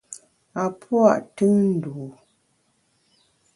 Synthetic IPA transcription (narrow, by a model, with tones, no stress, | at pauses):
a˨pʰwa̰˦˨ʔtɨ˦ŋn̩˦˨duː˨